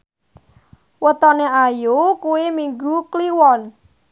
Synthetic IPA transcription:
wət̪ɔneajokuwimiŋɡukliwɔn

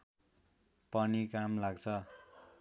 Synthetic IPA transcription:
pʌnikamlaɡt͡sʰʌ

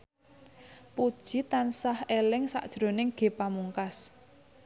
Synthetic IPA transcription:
pud̥ʒ̥i̤t̪ansahelɪŋsa̰ʔd̥ʒ̥ɾo̤nɪŋɡ̥e̤pamuŋkas

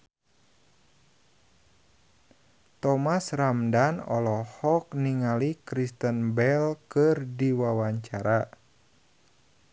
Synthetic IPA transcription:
t̪ɔmasramdanɔ̰lɔhɔkniŋalikɾist̪ənbɛlkɨrdiwawaɲt͡ʃaɾa

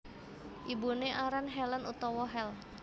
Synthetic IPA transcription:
ʔibuneʔaɾanɦɛlənut̪ɔwɔɦɛl

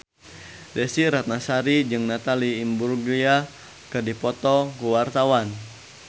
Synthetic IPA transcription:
dɛsiɾat̪̚nasaɾid͡ʒɨŋnat̪aliːmburɡlia | kɨrdipɔt̪ɔkuwart̪awan

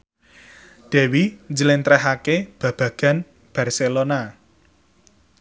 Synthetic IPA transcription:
d̪̥ɛ̤wiɲd͡ʒəlɪnt̪ɾɛɦakeb̥ä̤b̥ä̤ɡ̥ä̤n | b̥a̤rselona

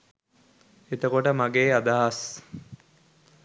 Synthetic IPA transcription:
et̪əkoʈəmaɡeːad̪aɦas

